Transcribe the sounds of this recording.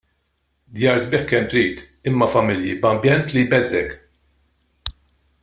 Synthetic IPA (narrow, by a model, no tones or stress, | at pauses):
d̪jɐːɾzbɪːħkɛmt̪ɾiːt̪ | ɪmːɐfɐmɪljibɐmbjɛnt̪libɛzɛk